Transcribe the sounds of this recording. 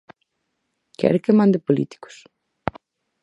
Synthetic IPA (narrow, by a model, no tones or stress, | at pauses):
kɛ̰ɾkemãnd̪epolḭt̪i̥ko̥s